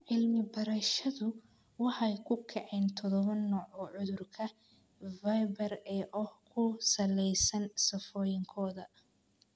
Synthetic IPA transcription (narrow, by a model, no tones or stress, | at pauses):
ʕɪlmɪbɐɾɐʃɐðʊ | wɑħɑjkʰʊkʰɛʕɛːnt̪ʰɔðɔβɐnːɔːʕɔʕʊðʊrkʰɐ | vɐjbɐrɛːʔɔhkʰʊsɐlɛjsɐnsɐfɔːjɪŋkʰɔːðɐ